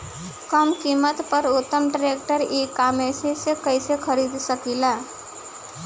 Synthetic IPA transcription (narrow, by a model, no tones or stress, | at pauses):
kəmkiːmːət̪pəɾʊt̪ːəmʈɾeːk̚ʈəɾeːkaːmesesekəisexʰəɾiːd̪səkilaː